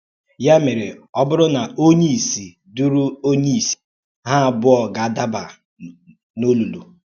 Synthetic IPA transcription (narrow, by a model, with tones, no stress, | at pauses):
ja˦me˨ɾɪ˨ɔ˦bʊ˦ɾʊ˦na˨o˦ɲi˦˨si˨ | du˦ɾu˦o˦ɲi˦˨si̥˨ | ɦa˦˨bʊ˦ɔ˨ɡa˨da˦ba˨ | no˦lu˨lṵ˨